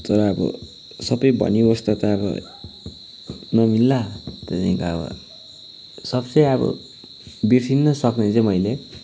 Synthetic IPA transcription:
t̪ʌɾʌːbʌ̰ | sʌbʌjbʱʌ̰niost̪ʌt̪ʌːbʌ̰ | nʌmilːat̪et͡saĩkaʌbʌ̰ | sʌbt͡sʌjʌbʌ̰ | birsinːʌsʌknet͡sʌ̃mʌjle

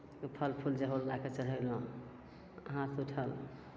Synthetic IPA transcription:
pʰəlpʰuld͡ʒəɦollaket͡ʃəɽɦəlõ | əɦãt̪uʈʰəl

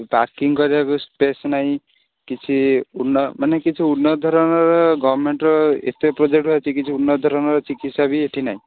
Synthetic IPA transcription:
baɾkiŋkɔɾibakuspesnaĩ | kit͡sʰiunːɔmanekit͡ʃʰiunːɔd̪ʱɔɾɔnɔɾɔɡɔbɾmeɳʈɾɔḛt̪epɾɔd͡ʒek̚ʈɾɔet͡ʃikit͡sʰiunːʌd̪ʱɔɾɔnɔɾɔt͡ʃikit̪sabieʈʰinaĩ

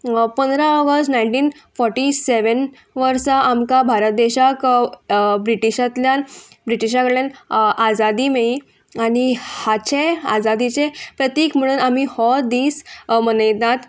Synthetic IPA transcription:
pənd̪ɾaɔɡəstnajɳʈiːnfɔɾʈiseʋən | ʋəɾsaʔamkabʱaɾət̪̚d̪eɕak | bɾiʈiɕãt̪lja | bɾiʈiɕ̬akəɽɭjanʔad͡zad̪imei | añihat͡ɕea̰d͡zad̪it͡sepɾət̪jekm̤əɽ̃uːnamihɔd̪iːsmənəjt̪ãt̪

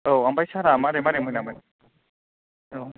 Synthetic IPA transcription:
oambajsaɾamaɾemaɾemɔjnamajn | o

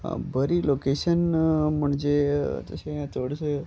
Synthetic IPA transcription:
bəɾilokeʃənməɳd͡ʒet̪ə̰ʃeãt̪əɽʃe

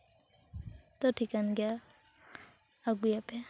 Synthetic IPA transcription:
t̪ɔʈʰikanɡja | aɡujapɛ

